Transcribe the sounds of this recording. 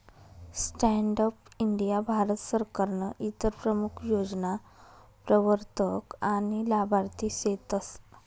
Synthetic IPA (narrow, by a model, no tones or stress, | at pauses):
sʈɛɳɖəpiɳɖijabʱaɾət̪səɾkaɾɳəʔit̪əɾpɾəmukʰjod͡zna | pɾəʋəɾt̪əkañilabʱaɾt̪iset̪əs